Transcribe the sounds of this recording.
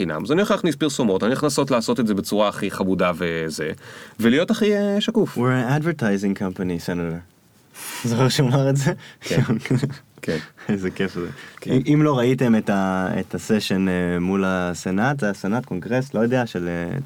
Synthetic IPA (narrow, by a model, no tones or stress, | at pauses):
ina̰mzanioχaχnispiʁsomo̞taniaχnaso̞tlaːso̞t̪etzebet͡suʁaːχiχabudavezevelijo̞taχieʃakufwienadveɾtajzĩŋkʰampanisenate | zoχeʁʃeomaʁetze̞ | keezekefzḛkiʔimlo̞ʁaite̞metaḛtʰaseʃe̞nemulasenat̪asenatko̞ŋɡʁe̞slo̞jod̪eaʃele